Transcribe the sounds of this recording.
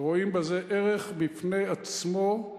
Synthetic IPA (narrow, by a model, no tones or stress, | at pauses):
ʁo̞imbeze̞ʔeʁeχbifne̞jat͡smo